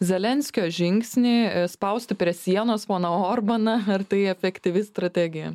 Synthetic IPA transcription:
zʲɛlʲɛnʲsʲkʲoːʒʲɪŋʲksʲnʲiːspɐʊsʲt̪ʲɪpʲɾʲiɛsʲiɛnoːspoːnɐoːɾbɐnɐɐrt̪ɐɪɛfʲɛkt̪ʲɪʋʲɪst̪ɾɐt̪ʲæːɡʲɪjɛ

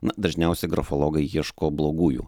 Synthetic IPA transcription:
nɐd̪ɐʒʲnʲɛˑʊsʲɛɪɡɾɐfɔlˠɔːɡɐɪjiɛʃkoːblˠoːɡuːjṵː

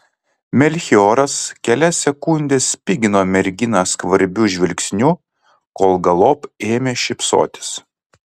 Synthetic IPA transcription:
mʲɛlʲxʲɪoːɾɐskʲɛlʲɛsʲɛkʊnʲd̪ʲeːsʲpʲɪɡʲɪnoːmʲɛɾʲɡʲɪnɑskʋɐɾʲbʲuʒʲʋʲɪlʲksʲnʲu | koːlˠɡɐlˠoːpeːmʲeːʃʲɪpso̰ːt̪ʲɪ̥s

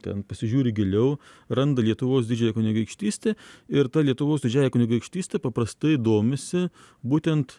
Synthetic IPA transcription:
t̪ʲɛ̰npɐsʲɪʒʲuːɾʲɪɡʲɪlʲɛʊ | rɐnd̪ɐlʲiɛt̪ʊʋoːsd̪ʲɪd͡ʒʲɛjɛkʊnʲɪɡɐɪkʃʲt̪ʲiːsʲt̪ʲeɪɾt̪ɐlʲiɛt̪ʊʋoːsd̪ʲɪd͡ʒʲæːjɛkʊnʲɪɡɐɪkʃʲt̪ʲiːsʲt̪ʲɛpɐpɾɐst̪ɐɪɪd̪oːmʲɪsʲɪ | buːt̪ʲɛnt̪

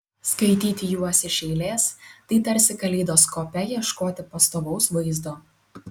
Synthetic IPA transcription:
skɐɪt̪ʲiːt̪ʲɪjuɔsʲɪʃʲɛɪlʲeːst̪ɐɪt̪ɐɾʲsʲɪkɐlʲɛɪd̪oːskoːpʲɛjiɛʃkoːt̪ʲɪpɐst̪oːʋɒʊsʋɐɪzd̪oː

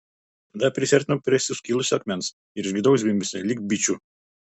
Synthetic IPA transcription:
d̪ɐpʲɾʲɪsʲɛɾʲt̪ʲnɐpʲɾʲɛsʲɪskʲiːlˠʊsʲɐkʲmʲɛns | ɪɾʒʲɡʲɪd̪ɐʊs̬ʲbʲɪmʲbʲɪsʲɛlʲiːk̚bʲit͡ʃʲu

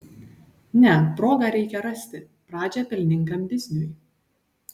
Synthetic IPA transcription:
nʲɛpɾoːɡɑɾʲɛɪkʲɛɾɐsʲt̪ʲɪ | pɾɑːd͡ʒʲɛpʲɪlʲnʲɪŋˑkɐmd̪ʲɪzʲnʲʊj

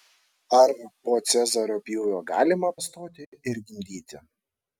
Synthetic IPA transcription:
ɐɾpoːt̪sʲɛzɐɾoːpʲjuːjoːɡɑ̰ːlʲɪmɐpɐst̪oːt̪ʲɪɪɾʲɡʲɪmʲd̪ʲiːt̪ʲɪ

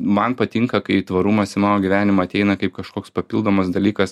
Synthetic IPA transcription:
mɐnpɐt̪ʲɪŋkɐkɐɪt̪ʋɐɾumɐsɪmɑːnoːɡʲʋʲæːnʲɪmɐːɐt̪ʲɛɪnɐkɐɪp̚kɐʃkoːkspɐpʲiːlˠd̪oːmɐsd̪ɐlʲiːkɐs

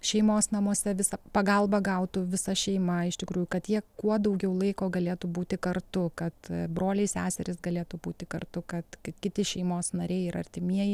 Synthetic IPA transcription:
ʃʲɛɪmoːsnɐmoɔsʲɛʋʲɪsɐpɐɡɐlˠbɐɡɐʊt̪uʋʲɪsɐʃʲɛɪmɐɪʃt̪ʲɪkɾuːjʊkɐt̪jiɛkuɔd̪ɐʊɡʲɛʊlˠɐɪkoːɡɐlʲeːt̪uːbuːt̪ʲɪkɐrt̪ʊkɐt̪bɾoːlʲɛɪsʲæːsʲɛɾʲɪsɡɐlʲeːt̪uːbuːt̪ʲɪkɐrt̪ʊkɐt̪kkʲɪt̪ʲɪʃʲɛɪmoːsnɐɾʲɛɪɪɾɐ̰ɾʲt̪ʲɪmʲiɛjɪ

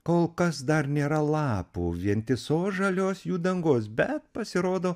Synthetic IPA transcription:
koːlˠkɐsd̪ɐɾnʲeːɾɐlˠɑːpṵːʋʲiɛnt̪ʲɪsoːsʒɐlʲoːsjuːd̪ɐŋɡoːs̬bʲɛt̪̚pɐsʲɪɾoːd̪oː

